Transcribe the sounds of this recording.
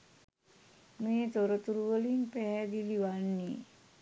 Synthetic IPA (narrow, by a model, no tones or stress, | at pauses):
met̪oɾət̪uɾwəliŋpɛɦɛd̪iliwanːi